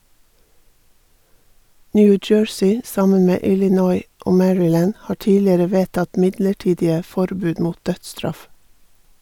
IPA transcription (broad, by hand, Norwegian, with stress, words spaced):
ˈnjʉː ˈd͡ʒøːɹsiː ˈsɑmən ˈmeː ˌʔɪlɪˈnɔʏ ˈʔoː ˈmæɹɪˌlæːn ˈhɑː ˈʈiːlɪəɾə ˈʋeːtɑt ˈmɪdləˌʈiːdɪə ˈfɔɾbʉːd ˈmuːt ˈdœtˌstɾɑf